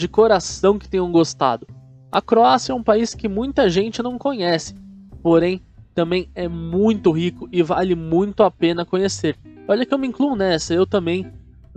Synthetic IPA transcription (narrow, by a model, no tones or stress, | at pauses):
d͡ʒɪkoɾasɐ̃w̃kɪ̥t̪ẽj̃ɐ̃w̃ɡost̪a̰d̪ʊ | ɐ̰kɾoasjɐɛũpaiskɪmũj̃t̪ɐʒẽnt͡ʃɪnɐ̃w̃kõɲɛsɪ̥poɾẽj̃ | t̪ɐ̃mbẽj̃ɛmũj̃t̪ʊɦikʊɪvalɪmũj̃t̪ʊapẽnɐkõɲeseɾɔʎɐkɪewmĩkluʊnɛsɐewt̪ɐ̃mbẽj̃